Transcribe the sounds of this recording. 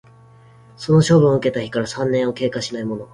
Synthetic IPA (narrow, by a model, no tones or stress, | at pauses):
so̞no̞ɕo̞ːbɯ̟ɰ̃ɯ̟ke̞t̪açi̥kaɾasãnːẽ̞ɰ̃o̞ke̞ːkaɕinaimo̞no̞